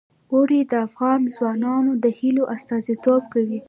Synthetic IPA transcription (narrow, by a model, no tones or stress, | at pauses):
oɽid̪əafɣɑnzwɑnɑnod̪əhiloʔast̪ɑzit̪ob̚kawi